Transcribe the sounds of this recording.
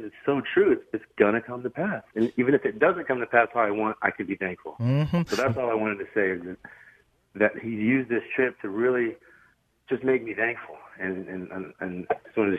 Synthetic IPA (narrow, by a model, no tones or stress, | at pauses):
ɨtsoʊtʰɹ̥ʉɨtsɨtsɡ̥ʌɾ̃ɨkʰʌ̃mtʰəpʰæsɨ̃nivɨ̃nɨfɨt̚d̥ʌzɨ̃nkʰʌ̃mtɨpʰæstaaɪwɑ̃nta̰ɪkʰɨd̚biθæ̃ŋkfl̩ˠsoʊðætsɔlˠaɪwɑ̃ɾ̃ɨd̚tʰɨseɪɨzðɨt̪̚ | ðɨt̚hijʉzðɪstʰɹ̥ɪp̚tʰɨɹɪlˠi | d̥d͡ʒ̥ʌsmeɪk̚miθæ̃ŋkfl̩ˠɨ̃nɨ̃nɨ̃nɨswʌ̃n